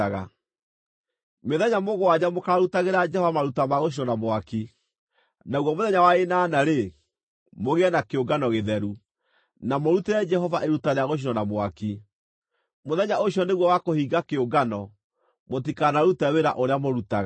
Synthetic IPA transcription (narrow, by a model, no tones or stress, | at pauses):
aɣa | meðɛɲamoɣoad͡ʑamokaɾaɾutaɣeɾad͡ʒɛhɔvamaɾutamaɣoɕ̬iɾɔnamwaki | naɣwɔmoðɛɲawaenaːnaɾe | moɣeɛnakeoɡanɔɣeðɛɾu | namoɾuteɾɛd͡ʒɛɦɔvaʔeɾutaneaɣoʃ̬iɾɔnamwaki | moðɛɲaoɕijɔneɣwɔwakohiɡakeoɡanɔ | mot̬ikanaɾutɛweɾa̰ʔoɾeamoɾutaɣ